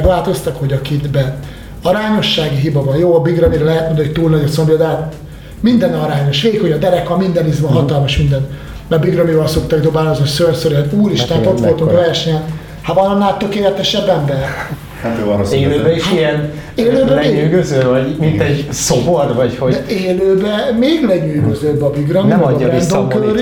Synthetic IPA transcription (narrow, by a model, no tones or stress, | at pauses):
ɡʋaːlt̪o̞st̪ɒkho̞ɟɒkid̪bɛ | ɒɾaːɲo̞ʃːaːɡiɦibɒvɒnjoːɒbiɡrɒmiɾɛlɛɦɛt̪mond̪ɒoc̚t̪uːlnɒɟot̪sombijod̪ɛɦat̪ | mind̪ɛnɒɾaːɲo̞ʃʋeːikho̞ɟɒd̪ɛɾɛkɒmind̪ɛnizmɒɦɒt̪ɒlmɒʃmind̪ɛn | nɛbiɡrɒmivɒlso̞kt̪ɒɡd̪o̞baːlozosølsøɾuːɾiʃt̪ɛnot̪ʋo̞lt̪uŋkvɛrʃɛɲɛn | havɒnɒnːaːlt̪økeːlɛt̪ɛʃɛbːɛmbɛ | hat̪øɔɾoeːløːbɛiʃiɛn | eːløːbɛeːyːɡøzøːvɒɟmint̪ɛɟsobord̪vɒchod̪ɛeːløːbɛmeːɡlɛɲyːɡøzøːbɒbiɡrɒmiɛːɾnd̪omkøɾ